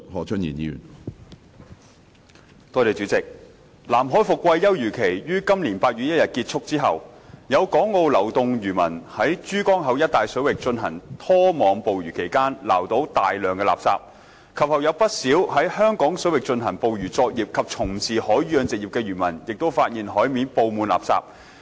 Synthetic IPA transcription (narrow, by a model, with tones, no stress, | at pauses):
hɔː˨t͡ʃʰɵ˥njḭː˨˩njḭː˨˧jy̰˨˩n | t̪ɔː˧t̪e˨jt͡ʃyː˨˥t͡sɪ˨k̚ | laː˨˩mɦɔː˨˥jfʊ˨kːwɐ˧jːɐ˥wjyː˨˩kʰe˨˩jjyː˥kɐ˥mliː˨˩npaː˧t̚ɥy˧˥jɐ˥t̚jɐ˨t̚kiː˧t̚t͡ʃʰʊ˥k̚t͡siː˥ɦɐ̰˨wjɐ˨˧wkɔː˨˥ŋːo˧wlɐ˨˩wt̪ʊ˨ŋjyː˨˩mɐ˨˩nhɐ˨˥jt͡ʃyː˥kɔː˥ŋɦɐ˨˧wjɐ˥t̚t̪aː˨jsɵ˨˥wɪ˨k̚t͡ʃɵ˧nɦɐ˨˩ŋt̪ʰɔː˥mɔː˨˧ŋpo˨˧wjyː˨˩kʰe˨˩jkaː˥nla̰ː˨˩wt̪o˨˥wt̪aː˨jlœː˨ŋkɛː˧la̰ː˨p̚sa̰ː˧p̚ | kʰɐ˨p̚hɐ˨˩wjɐ˨˧wpɐ˥t̚siː˨˥whɐ˨˥jhœː˥ŋkɔː˨˥ŋsɵ˨˥ɥwɪ˨k̚t͡ʃɵ˧nɦɐ˨˩ŋpo˨˧wjyː˨˩t͡sɔː˧k̚jiː˨p̚kʰɐ˨p̚t͡sʰʊ˨˩ŋsiː˨˩hɔː˨˥jɥyː˨˥jœː˨˧nt͡sɪ˨k̚jiː˨˩pkɛː˧jyː˨˩mɐ˨˩njɪ˨k̚t̪o˥wfaː˧t̚jiː˨nɦɔː˨˥jmiː˨˧˥npo˧wmuː˨˧nla̰ː˨psa̰ː˧p̚